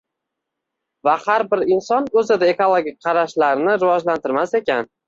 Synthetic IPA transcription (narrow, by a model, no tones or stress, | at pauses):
vahaɾbɪɾɪnsɒnɵzɪd̪ae̞kolˠoɡʲik̚ʲqʰɑɾaʃlaɾnɪɾɪvɒd͡ʒlant̪ɪɾmase̞kʲan